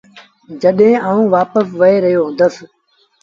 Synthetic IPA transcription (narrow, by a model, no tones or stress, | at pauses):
d͡ʒəɗɦẽːaːũːʋaːpəsʋəeːɾəɦjõːd̪əs